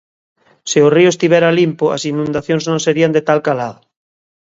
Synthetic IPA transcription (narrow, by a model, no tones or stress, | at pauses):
seʊriʊest̪iβɛɾalimpʊa̰sinũnd̪aθjoŋznõŋseɾiand̪et̪alkalaðʊ